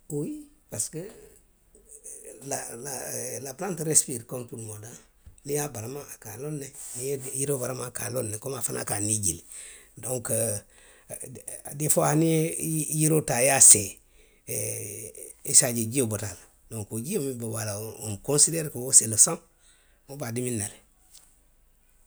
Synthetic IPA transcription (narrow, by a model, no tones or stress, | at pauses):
ojipaskə | lalalaplantɾespitkomtulmoda | lijabaɾamaakalonːenijejiɾobaɾamãkalonːekomafanʔa̰kaniɟil | doŋkə | difohaniejiɾotajase | isaɟeɟiobotal | doŋkoɟimibobalaomkonsideɾkowoseləsõŋ | mobadiminːaɾe